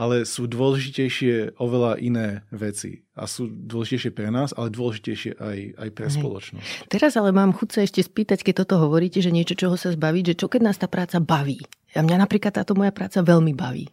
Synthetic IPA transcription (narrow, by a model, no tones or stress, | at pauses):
ʔalɛsuːd̪ʊɔlɛʒʒicɛjʃɪɛʔɔʋɛlaʔinɛːʋɛt͡sḭ | a̰suːd̪wɔlɛʒicɛjʃɪɛpɾɛnaːzalɛd̪ʊɔlɛʒicɛjʃɪɛ̰ʔaja̰jpɾɛspɔ̰lɔ̰t͡ʃnɔ̰st̪ɛɾazalɛmaːmxut̪saɛʃcɛspiːt̪ackɛc̚t̪ɔt̪ɔɦɔʋɔɾiːcɛʒɛɲɪɛt͡ʃɔt͡ʃɔɦɔsazbaʋiːɟʒɛt͡ʃɔkɛɟnaːst̪aːpɾaːt͡sabaʋiːjamɲanapɾiːklat̪ːaːt̪ɔmɔjapɾaːt͡saʋɛʎmibaʋḭː